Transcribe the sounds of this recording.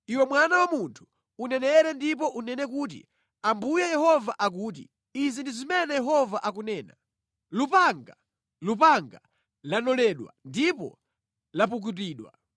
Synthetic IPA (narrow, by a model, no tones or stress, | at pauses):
iwɛmwanawamuntʰu̥ | unɛnɛɾɛndip̬ɔʔunɛnɛk̬uːt̬ḭ | ambujajɛhɔvaʔak̬uːt̬ḭ | izindizimɛnɛjɛɦɔvaʔak̬unɛːna | lupaŋɡa | lupaŋɡa | lanɔlɛɗwa̰ndipɔ̰ | lap̬uk̬ut̬iːɗwa̰